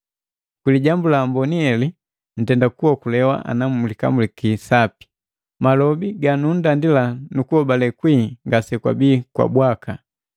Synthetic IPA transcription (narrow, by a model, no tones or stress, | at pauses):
kwiliɟambulambɔniɛli | n̩tɛndakuɔkulɛwa̰ʔa̰namulika̰mulikisapi̥ | malɔbiɡanun̩dandilanukuhɔbalɛkwiŋɡasɛkwa̰biːkwa̰bwaka